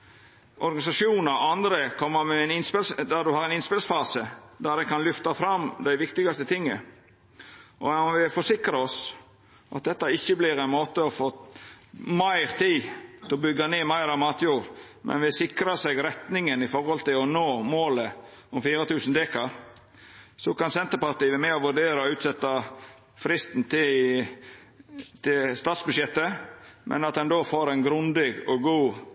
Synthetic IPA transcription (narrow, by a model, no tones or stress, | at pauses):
ʔɔɾɡɑnɪsɑʂuːnəɾɑnd̪ɾəkʰɔmːəɾmɛɛnɪnspɪlsd̪æd̪ʉhɑːɾɛnɪnspɪlsfɑːsəd̪æd̪ɛnkʰɑnlʏft̪ɑfɾɑmd̪æɪʋɪkt̪ɪɡɑst̪ət̪ʰɪŋːə | ʔɔɑʋɪfɔʂɪkɾəɔs | ʔɑt̪̚d̪ɛt̪ːɑɪçːəblɪɾɛɪnmoːt̪əɔfoː | mæɪɾt̪ʰiːt̪ʰɪɔbʏɡːɑneːmæɪɾɑʋmɑːt̪juːɾ | mʔɛ̰nʋɪsɪkɾɑsɛɡɾɛt̪nɪŋənɪfɔɾhɔlt̪ɪlɔnoːmoːlə | ɔmfiːɾət̪ʰʉːsn̩d̪eːkɑɾ | sɔkɑnsɛnt̪əɾpɑɾt̪iːəmɛɔʋʉɾɖeːɾɑɔʉːt̪sɛt̪ːɑ | fɾɪst̪n̩t̪ʰɪ | t̪ʰɪlst̪ɑːt̪sbʉd̪ʂjɛt̪ːəmʔɛ̰nɑt̪̚d̪ɛnd̪oːfoːɾɛnɡɾʉnd̪ɪɡɔɡuː